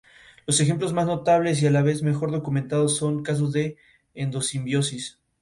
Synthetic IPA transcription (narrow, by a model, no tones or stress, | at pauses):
lo̞sexe̞mplo̞zmazno̞t̪aβle̞s̬ialaβe̞zme̞xo̞ɾðo̞kumẽnt̪að̞osːo̞ŋkas̬ozðe̞ː | nd̪o̞simbjo̞sis